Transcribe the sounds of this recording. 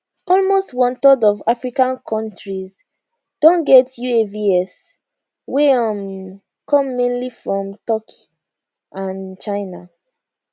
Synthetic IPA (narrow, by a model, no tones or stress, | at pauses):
ɔlmostwɔ̃ntɔdɔvafɹikãnkʰɔ̃ntɹiz | d̥õnɡɛtjueviɛs | weɔm | kʰɔ̃mːẽnlifɹɔ̃mtɔkʰi̥ | ʔãnt͡ʃaɪna